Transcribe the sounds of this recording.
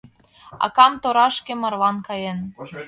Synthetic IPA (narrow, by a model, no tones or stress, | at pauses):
ɑ̰kɑmt̪oɾɑʃkemɑ̆rlɑnkɑjen